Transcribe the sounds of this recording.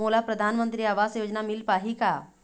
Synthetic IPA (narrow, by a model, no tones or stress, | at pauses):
oːlapɾɐd̪ʱaːnmə̃nt̪ɾiaːʋaːzsjoːd͡ʒnamɪlpaːɦika